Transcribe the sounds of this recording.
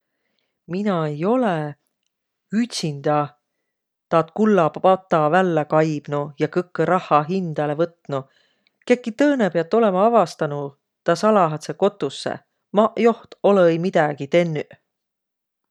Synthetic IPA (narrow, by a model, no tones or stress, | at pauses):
minɑejo̞le | yt̪ʲsind̪̥ɑ | t̪ɑːt̪̚kulːɑpɑt̪ˑːɑvælːekɑjb̥nujɑkɤkːeɾʔɑhːɑɦind̪̥ɑlevɤt̪nu | ke̞kːit̪ɤːnepeɑt̪ːˑo̞le̞mɑɑvɑst̪ɑnu | t̪ɑsɑlɑɦɑt̪seko̞t̪ːˑusːḛ | mɑjo̞ht̪o̞leejmid̪ɑɡ̥it̪e̞nːy